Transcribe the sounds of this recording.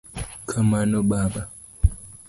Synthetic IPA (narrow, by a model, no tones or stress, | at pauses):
kʰamanoɓaɓa